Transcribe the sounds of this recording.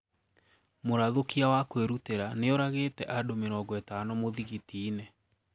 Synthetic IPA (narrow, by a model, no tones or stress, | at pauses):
moɾaðokiawakweɾuteɾaneɔɾaɣeːtɛʔadomeɾɔːɡɔetanɔmoðiɣitiːnɛ